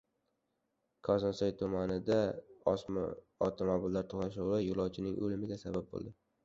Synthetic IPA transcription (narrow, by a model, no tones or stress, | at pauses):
kʰɒzɒnsɒjt̪ʰʊmanɪd̪a | ɒvt̪ʰomobɪlːaɾt̪ʰoχnaʃʊwɪjʊlˠɒwt͡ʃʰɪnɪŋʔɵ̰lɪmɪɡʲasabap̚bo̰lˠd̪ɪ